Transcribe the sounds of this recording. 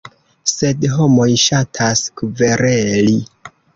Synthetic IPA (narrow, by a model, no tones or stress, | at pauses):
se̞dɦo̞mo̞jʃatʰaskuve̞ɾeli